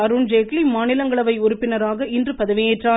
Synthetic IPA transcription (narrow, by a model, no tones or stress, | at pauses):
ɐɾʊnd͡ʒeːklimaːnɪlɐŋɡɐɭɐʋɐɪʊɾʊpːɪnɐɾaːɣɐɪndrɯpɐðɐʋɪeːʈraː